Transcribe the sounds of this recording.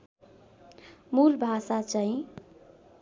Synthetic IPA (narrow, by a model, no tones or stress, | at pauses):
mulbʱasat͡saĩ